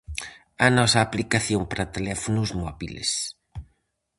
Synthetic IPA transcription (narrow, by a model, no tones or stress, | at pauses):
ɐnɔsɐːplikaθjompaɾɐt̪elɛfonʊzmɔβilḛs